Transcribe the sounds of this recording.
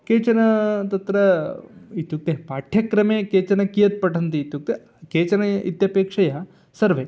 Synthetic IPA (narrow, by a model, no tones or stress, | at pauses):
keːt͡ʃɐnɐt̪ɐt̪ɾɐ | it̪juk̚t̪epaːʈʰjɐkɾɐmeːkeːt͡ʃɐnɐkijɐt̪̚pɐʈʰɐnt̪it̪juk̚t̪e | keːt͡ʃɐnɐḭt̪jɐpeːkʂɐjɐ | sɐɾʋeː